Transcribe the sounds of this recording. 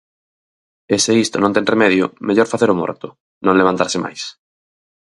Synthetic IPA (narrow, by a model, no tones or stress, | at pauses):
eseist̪ʊ̰nõnt̪ẽremɛðjʊ̰meʎɔɾfaθeɾʊmɔ̰ɾt̪ʊ | nõŋleβ̞ant̪aɾsɪma̰js